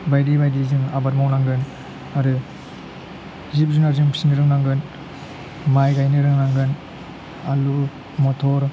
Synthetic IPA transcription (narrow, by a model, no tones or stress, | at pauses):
bajdibajdizɯŋa̰bat̚mawnaŋɡɯn | aɾɯ | zip̚zunaɾzɯŋpʰi̥sinɯɾɯŋnaŋɡɯn | majɡajnɯɾɯŋnaŋɡɯn | alu | mɔtʰɔɾ